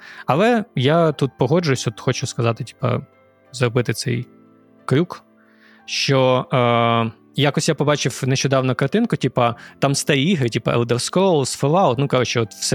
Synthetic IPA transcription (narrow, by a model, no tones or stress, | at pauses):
ɐlˠɛjat̪ut̪̚pɔɦɔd͡ʒʊjʊsʲɔt̪xɔt͡ʃʊskɐzɑt̪ɪtʲi̥pɐ̰ | zrɔbɪt̪ɪt̪sɛ̰j | kɾʲuk | ʃt͡ʃɔ | jakɔsʲjapɔbɑt͡ʃɪwneʃt͡ʃɔd̪ɑwnɔkɐrt̪ɪnkʊtʲipɐt̪ɑmst̪ɐɾʲiiɦɾɪtʲipɐ̰ʔɛ̰lˠd̪ɛrskɔlˠsfɔlˠɑʊt̪nukɑʒʊt͡ʃɛɔt̪wsɛ